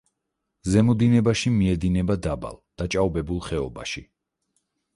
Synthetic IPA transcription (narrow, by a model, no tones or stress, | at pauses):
zɛmɔd̪inɛbaʃimiɛd̪inɛbad̪aba̰lˠd̪̥at͡ʃʼawbɛbulˠχɛɔ̰baʃi